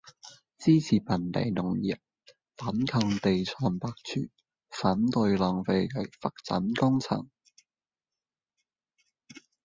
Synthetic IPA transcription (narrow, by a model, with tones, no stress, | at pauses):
t͡siː˥t͡sʰiː˨˩pʰɐ˨˩nt̪ḛ˨jnʊ˨˩ŋjḭ˨˩p̚ | fɐ˨˥nkʰɐ˧ŋt̪e˨jt͡sʰɔː˧npaː˧k̚t͡sʰy̰ː˨˩n | faː˨˥nt̪ɵ˧ɥlœː˨ŋfe˧jkɐ˨˥jfɐ˨k̚t͡sɐ̰˨˥nkʊ˥ŋt͡sʰɐ̰˨˩ŋ